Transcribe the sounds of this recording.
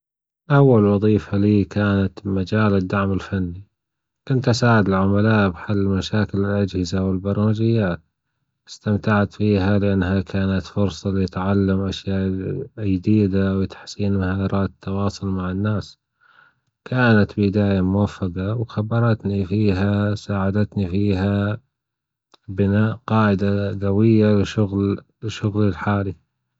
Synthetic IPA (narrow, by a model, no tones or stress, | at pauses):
ʔawːalwɑðˤiːfaliːkaːnat̪mad͡ʒaːlɪd̪ːaʕmɪlfanːi | kʊnt̪ʔasaːʕɪd̪ɪlʕʊmalaːʔbħalːɪlmaʃaːkɪlɪlʔad͡ʒhɪzawɪlbɑɾˤɑːmad͡ʒɪjːaːt̪ | ɪ̥st̪amt̪aʕat̪fiːɦalɪʔanːhakʰaːnat̪fʊɾsˤɑliɪt̪ʕalːamʔaʃjaːʔjd̪iːd̪awɪt̪ḁħsiːnhaɾˤɑːɪt̪ʰːɑwɑːsˤʊlmaʕɪnːaːs | kʰaːnat̪bɪd̪aːjamʊwafːaɡɑwxabːɑɾˤɑt̪nifiːɦasaːʕad̪at̪nifiːɦa | bɪnaːʔqɑːʕɪd̪aɡawɪjːalɪʃʊɣllɪʃʊɣlɪlħaːli